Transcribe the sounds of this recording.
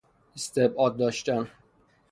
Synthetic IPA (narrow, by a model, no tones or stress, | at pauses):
est̪ebɒːd̪̚ːɒːʃt̪æn